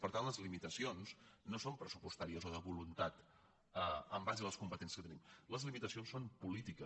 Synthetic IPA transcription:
pəɾt̪anləzlimit̪əsionsnosompɾəsupust̪aɾiəzoðəβulunt̪at̪ | əəmbaʒðləskumpət̪enskət̪ənimləzlimit̪əsionsompulit̪ikəs

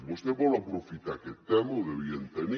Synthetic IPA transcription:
bost̪ebolapɾofit̪aket̪emoðeβjent̪eni

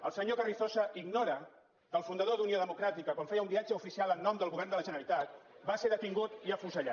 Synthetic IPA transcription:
əlˠsəɲokəriθosəʔiɡnoɾə | kəlˠfund̪əðoðunioðəmukɾat̪ikəkwaɱfejəumbiad͡ʒəufisialˠənːɔmd̪əlˠɣuβɛrnd̪ələʒənəlit̪at̪baseɾðət̪iŋɡut̪iəfuzəʎa

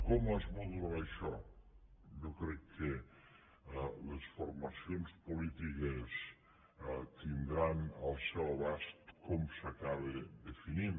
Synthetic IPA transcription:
komazβod̪uɾaʃɔ | ʒokɾɛkʰːe | lesfuɾmɐsionspulit̪ikes | t̪ind̪ɾanəlˠsɛwβast̪komsakaβeðefinin

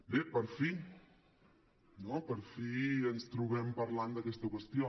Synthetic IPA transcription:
bepəɾfi | nopəɾfiənst̪ɾuβɛmpaɾland̪əkɛst̪əkwəst̪jo

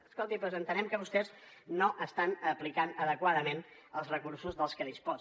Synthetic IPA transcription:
əskolˠt̪ipozənt̪ənɛmkəβust̪ɛz | noʔəst̪anəplikanəðəkwaðəmen | əlˠzrəkuɾsuzðəlˠskəðispɔ

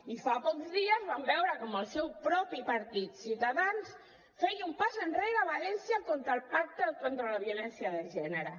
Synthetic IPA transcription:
ifapɔkzðiəzβambɛwɾəkɔməlˠsɛwpɾɔpipəɾt̪it̪siwt̪əðans | fɛjumpazənreɾəβalɛnsjəkont̪ɾəlˠpak̚t̪əkont̪ɾələβjulɛnsjəðəʒɛnəɾə

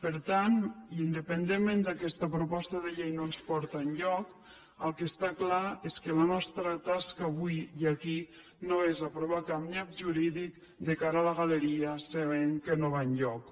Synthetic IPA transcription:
pəɾt̪anind̪əpənd̪emːẽnd̪əkɛst̪əpɾupɔst̪əðəʎejnonspɔɾt̪ənʎɔk | əlˠkəst̪aklaeskələnɔst̪ɾət̪askaːβujiaki | noezəpɾoβakapnap̚ʒuɾiðik | d̪əkaɾəaːləɣaləɾiəsəβeŋkənoβaɲʎɔk

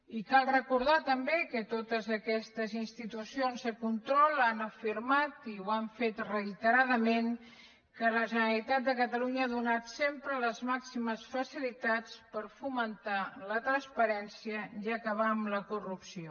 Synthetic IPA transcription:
ikalˠrəkuɾð̞at̪əmbekət̪ot̪əzəkɛst̪əzinst̪it̪usionzðəkunt̪ɾɔlˠanəfiɾmat̪iwaɱfet̪rəit̪əɾaðəmeŋ | kələʒənəlit̪at̪̚d̪əkət̪əluɲəaðunat̪sempɾələzmaksiməsfəsilit̪at͡spəɾfumənt̪alət̪ɾənspəɾɛnsiəʒakəβ̞amləkurupsio

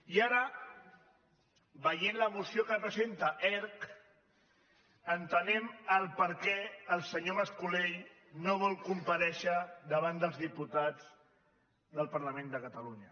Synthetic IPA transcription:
iaɾə | bəjenləmusiokərəpɾəzent̪əʔɛɾk | ənt̪ənɛməlˠpəɾkɛəlˠsəɲoməskulej | noβ̞ɔlˠkumpəɾɛʃəd̪əβ̞and̪əlˠzðiput̪ad͡z | d̪əlˠpəɾləmẽnd̪əkət̪əluɲə

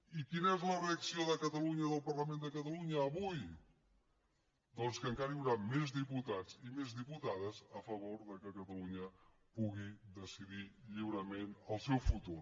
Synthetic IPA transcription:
ikinəɛzləreəksioðəkət̪əluɲəðəlˠpərləmend̪əkət̪əluɲəːβuj | d̪ɔnskəŋkaɾəiwɾamezðiput̪ad͡zimezðiput̪aðəzəfəβ̞oɾðəkəkət̪əluɲə | puɣid̪əsiðiʎiwɾəmenəlˠsɛwfut̪ur

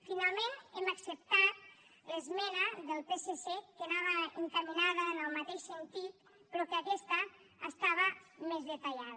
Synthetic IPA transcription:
finalˠmeneməksəp̚t̪at̪̚ | ləzmɛnəðəlˠpesesekənaβ̞əəŋkəminaðəːnəlˠmat̪eʃsənt̪it̪̚ | pɾɔkəakɛst̪ə | əst̪aβ̞əmezðət̪əʎað

